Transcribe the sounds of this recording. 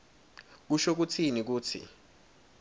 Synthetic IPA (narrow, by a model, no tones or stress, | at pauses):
k̬uʃok̬utʰinik̬uːtʰḭ